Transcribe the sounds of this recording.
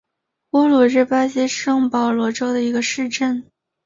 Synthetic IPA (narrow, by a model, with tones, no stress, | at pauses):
ɔ˥lwɔ˨˩ɻɻ̩˥˩pa˥ɕi˥ʂɤ˥˩ŋpɑ˨˩ʊlwɔ˧˥ʈ͡ʂo˥ʊd̪ə˨i˧˥ɡə˧ʂɻ̩˥˧ʈ͡ʂə˥˩n